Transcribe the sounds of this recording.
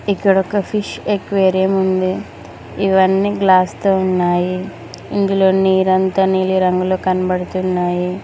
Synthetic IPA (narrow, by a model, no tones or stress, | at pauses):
ikːɐɽɔkɐpʰiʂekʋeːɾijɐmund̪i | iʋɐnːiːɡlaːst̪oːunːaːjiː | nd̪ulo̞ːniːɾɐnt̪ɐniːliɾɐŋɡuloːkɐnɐbɐɽut̪unːaːji